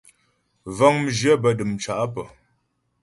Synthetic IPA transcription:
va˦ŋm̩˨ʒjə˦bə˨ɗɨ˨mt͡ʃa˨ʔa˦pə˨

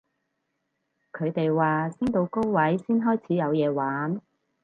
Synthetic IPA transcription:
kʰɵ˨˧ɥt̪e˨jwaː˨sɪ˥ŋt̪o˨˧wko˥wwɐ˨˥jsiː˥nɦɔː˥jt͡sʰiː˨˥jɐ˨˧wjɛː˨˧waː˨˥n

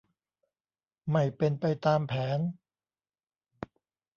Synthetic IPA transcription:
ma˥˩jpe˧npa˧jt̪aː˧mpʰɛː˩˦n

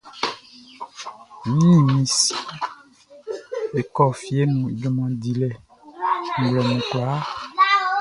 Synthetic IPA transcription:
mĩ˦ɲĩ˦˨mĩ˨s | e˨kɔ˦fi˨e˦nũ˨d͡ʒɔ˨mã˨di˨lɛ˨ | ŋ̩˨ɡlɛ˨nũ˨kla˨˦

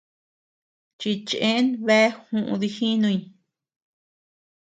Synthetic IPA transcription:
t͡ʃi˧t͡ʃʔẽ˦nβe˦hũ˧ʔṵ̃˧ði˧hi˦nũ˧i˧n

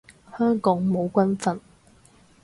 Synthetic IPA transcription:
hœː˥ŋkɔː˨˥ŋmo˨˧wkʷɐ˥nfɐ˨˩n

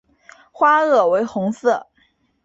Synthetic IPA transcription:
xwa˥ɤ˥˩we˧˥ɪxʊ˧˥ŋsɤ˥˩

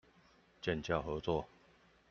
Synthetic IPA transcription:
t͡ɕjɛ˥˨nt͡ɕja˥˨ʊxɤ˨˦t͡swɔ˥˨

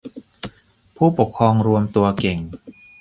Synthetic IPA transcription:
pʰuː˥˩po˨˩kʰɾɔː˧ŋɾu˧əmt̪u˧ɐke˨˩ŋ

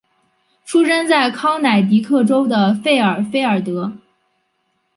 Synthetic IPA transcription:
ʈ͡ʂʰu˥ʂə˥nt͡sa˥˩ɪkʰɑ˥ʊna˨˩ɪt̪i˧˥kʰɤ˥˩ʈ͡ʂo˥ʊd̪ə˨fe˥˩ɪə˞˨˩fe˥ɪə˞˨˩t̪ɤ˧˥

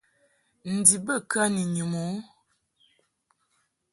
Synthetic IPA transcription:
n̩˨di˨bə˦˨kə˦ni˨ɲu˨mo˨˦

